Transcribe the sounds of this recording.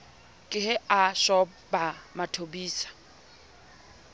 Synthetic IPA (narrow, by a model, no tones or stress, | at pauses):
kʼɪɦɛaʃɔ | bamatʰobiːsḁ